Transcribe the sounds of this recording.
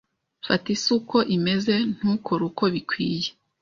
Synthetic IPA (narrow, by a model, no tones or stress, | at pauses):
fatisuko̞ʔime̞ze̞n̥huːkʰo̞ɾuko̞βikwiːje